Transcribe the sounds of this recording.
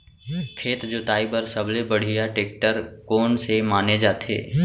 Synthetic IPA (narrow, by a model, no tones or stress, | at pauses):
kʰeːt̪d͡ʒʊt̪aːibəɾsɐblebɐɽ̤ijaʈeːk̚ʈəɾkoːnsemaːned͡ʒaːt̪ʰḛː